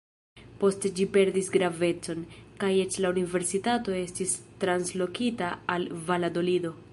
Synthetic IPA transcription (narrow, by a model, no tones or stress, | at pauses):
po̞sted͡ʒipe̞ɾdisɡɾave̞t͡so̞nkaje̞t͡ʃlaunive̞ɾsitato̞e̞stistɾanslo̞kitaːlvalado̞lido̞